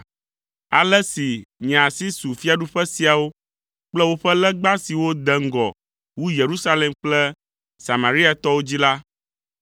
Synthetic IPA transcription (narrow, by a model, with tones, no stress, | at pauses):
a˨lɛ˦si˨ɲ̃˨a˨si˦su˨fi˦a˨ɖu˦ɸɛ˦si˨a˨wo˦ | k͡plɛ˦wo˦ɸɛ˦lɛ˦ɡ͡ba˦si˨wo˦d̪ɛ˦ŋ̩˦ɡɔ̰˨ | wu˦je˨ɾu˦sa˦lɛ˨mk͡plɛ˦ | sa˨ma˨ɾi˦a˨t̪ɔ˦wo˦d͡ʑi˦la˦